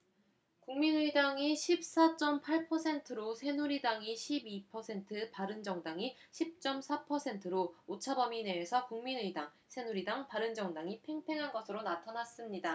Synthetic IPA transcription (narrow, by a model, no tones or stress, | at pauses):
kuŋminɯidaŋiɕʰip̚s͈at͡ɕ͈ʌmpʰaɭpʰʌsʰe̞ntʰɯɾosʰe̞nuɾidaŋiɕʰibipʰʌsʰe̞ntʰɯpaɾɯnd͡ʑʌŋdaŋiɕʰip̚t͡ɕ͈ʌmsʰapʰʌsʰe̞ntʰɯɾoot͡ɕʰabʌmine̞ːsʰʌkuŋminɯidaŋ | sʰe̞nuɾidaŋpaɾɯnd͡ʑʌŋdaŋipʰe̞ŋpʰe̞ŋɦanɡʌsʰɯɾonatʰanas͈ɯmɲida